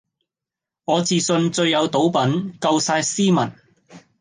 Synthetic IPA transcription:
ŋɔː˨˧t͡siː˨sɵ˧nt͡sɵ˧ɥjɐ˨˧wt̪o˨˥wpɐ˨˥nkɐ˧wsaː˧jsiː˥mɐ˨˩n

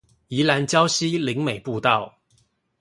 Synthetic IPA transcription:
i˨˧˥la˨˧˥nt͡ɕjɑ˥˦ʊɕi˥li˨˦˥ŋme˨˩ɪpu˥˧t̪ɑ˥˨ʊ

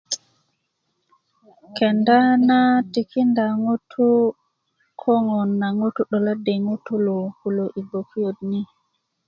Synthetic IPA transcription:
kɛ˨nda˦na˦ti˨ki˦nda˨ŋo˦tʰu˦ | kʰɔ˦ŋɔ˨nːa˨ŋo˦tu˦ɗɔ˨la˦de˨ŋu˦tu˦lo˨ku˨lo˨ʔi˨bo˨kʰi˦jo˨dni˦

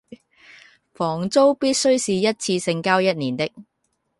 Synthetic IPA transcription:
fɔː˨˩ŋt͡so˥wpiː˥t̚sɵ˥ɥsiː˨jɐ˥t̚t͡sʰiː˧sɪ˧ŋkaː˥wjɐ˥t̚niː˨˩nt̪ɪ˥k̚

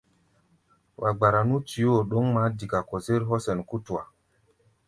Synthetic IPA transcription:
wʔa˨ɡ͡ba˨ɾa˨nu˦ti˨jo˦˨ɗo˦ŋma˨˦di˨ka˨ko˨se˦ɾɦɔ˦sɛ˨nku˦tu˨a˨

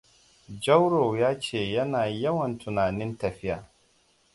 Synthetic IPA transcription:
d͡ʒɐ˦wɾo˨jaː˦t͡ʃeː˦˨jɐ˦naː˨jɐ˦wɐ˨ntʰʊ˨naː˨nɪ˦ntɐ˨ɸɪ˦jaː˨

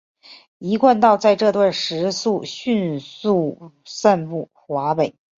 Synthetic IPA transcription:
i˧˥kwa˥˧nt̪ɑ˥˧ʊt͡sa˥˧ɪʈ͡ʂɤ˥˧t̪wa˥˩nʂɻ̩˧˥su˥˧ɕy˥˧nsu˥˧ | sa˥˧npu˥˩ | xwa˧˥pe˨˩˦ɪ

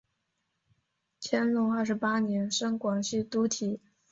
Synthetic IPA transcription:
t͡ɕʰjɛ˥nlʊ˧˥ŋə˞˥˩ʂɻ̩˧˥pa˥njɛ˧˥nʂɤ˥ŋkwɑ˨˩ŋɕy˥˩t̪u˧˥t̪ʰi˨˩˦

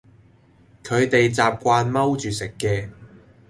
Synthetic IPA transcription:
kʰɵ˨˧ɥt̪e˨jt͡saː˨p̚kʷaː˧nmɐ˥wt͡ʃyː˨sɪ˨kːɛː˧

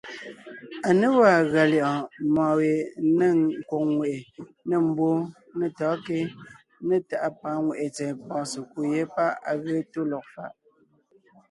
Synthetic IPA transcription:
a˨ne˦wa˦˨ɣa˨ljɔ˨ʔɔ̃˨mɔ̃ː˨we˨nə˦ŋŋ˨kwo˨ŋŋwe˨ʔe˨ne˦˨m̩˨bo˦ | nə˦˨tɔː˨˦ke˦ | nə˦˨ta˨ʔa˦pa˨˦ŋwe˨ʔe˨t͡sɛ˨pɔ̃ː˨se˨ku˦je˦pa˦a̰˨ɣe˦to˦lɔ˨k̚fa̰˨ʔ

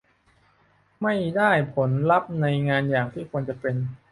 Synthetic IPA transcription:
ma˥˩jdaː˥˩jpʰo˩˦nla˦˥p̚na˧jŋaː˧njaː˨˩ŋt̪ʰiː˥˩kʰu˧ənt͡ɕa˨˩pe˧n

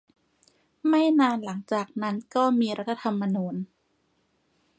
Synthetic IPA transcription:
ma˥˩jnaː˧nla˩˦ŋt͡ɕaː˨˩k̚na˦˥nkɔː˥˩miː˧ɾa˦˥t̪ʰːa˧t̪ʰa˧mːa˧nuː˧n

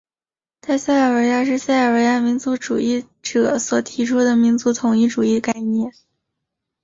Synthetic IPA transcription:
t̪ʰa˥˧ɪsa˥˩ə˨˩wə˧˥ɪja˥ʂ̬ɻ̩˥˧sa˥˩ə˨˩we˧˥ɪa˥mi˧˥nt͡su˧˥ʈ͡ʂu˨˩i˥˩ | ʈ͡ʂɤ˨˩swɔ˨˩t̪ʰi˧˥ʈ͡ʂʰu˥d̪ə˨mi˧˥nt͡su˧˥t̪ʰʊ˨˩ŋi˥˩ʈ͡ʂu˨˩i˥˩ka˥˧ɪnjɛ˥˩n

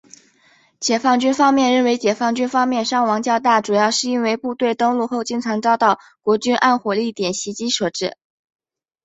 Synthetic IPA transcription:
t͡ɕjɛ˨˩fɑ˥˩ŋt͡ɕy˥nfɑ˥ŋmjɛ˥˧nɻə˥˩nwe˧˥ɪt͡ɕjɛ˨˩fɑ˥˩ŋt͡ɕy˥nfɑ˥ŋmjɛ˥˧nʂɑ˥ŋwɑ˧˥ŋt͡ɕjɑ˥˧ʊt̪a˥˩ʈ͡ʂu˨˩jɑ˥˧ʊʂɻ̩˥˩i˥nwe˥˧ɪpu˥˧t̪we˥˧ɪt̪ɤ˥ŋlu˥˧xo˥˧ʊt͡ɕi˥˧ŋʈ͡ʂʰɑ˧˥ŋʈ͡ʂɑ˥ʊt̪ɑ˥˩ʊ | kwɔ˧˥t͡ɕy˥nʔa˥˩nxwɔ˨˩li˥˩t̪jɛ˨˩nɕi˧˥t͡ɕi˥ʂɤ˥˩ʈ͡ʂɻ̩˥˩

